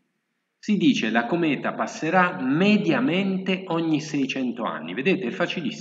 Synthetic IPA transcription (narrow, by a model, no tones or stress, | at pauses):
sid̪iːt͡ʃelakomɛːt̪apasːeɾamed̪jament̪eʔɔɲːisɛjt͡ʃɛnt̪oa̰nːḭved̪eːt̪eilfat͡ʃilis